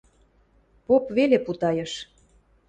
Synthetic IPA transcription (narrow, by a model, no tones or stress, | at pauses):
popβeleput̪ɑjɤ̆ʃ